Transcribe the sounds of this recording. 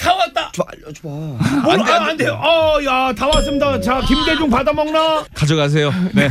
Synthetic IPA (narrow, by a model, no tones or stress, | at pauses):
tawat̚t͈a | aandejoʔʌjatamas̬͈ɯmdat͡ɕakimɡed͡ʑuŋpadamʌŋnakad͡ʑʌɡas̬ʰe̞jone